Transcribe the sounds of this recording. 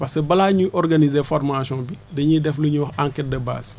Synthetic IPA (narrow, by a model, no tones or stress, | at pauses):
pasebɐlaːɲuʔɔɾɡanizefɔrmasɔ̃ːbidɐɲidɛfluɲuwɔxaŋkɛt̚dɐba̰ːs